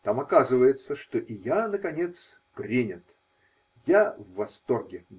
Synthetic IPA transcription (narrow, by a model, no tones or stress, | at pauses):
t̪amɐkazɨvəjɪt̪səʂt̪oʔɪjanəkɐnʲe̞t̪s | pɾʲinʲɪt̪ | javːɐst̪o̞rɡʲɪ